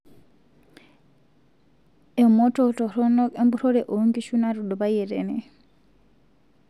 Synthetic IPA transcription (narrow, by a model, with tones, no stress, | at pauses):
ɛ˨mɔ˦tʰʼɔtʼɔ˨ɾɔ˦nɔ˦ɛ˦mbu˦ɾɔ˦ɾɛ˨ʔo˨˦ŋɡi˦ʃu˦na˦ɾu˨dɔbajɛ˨ɾɛ̰ːnɛ˨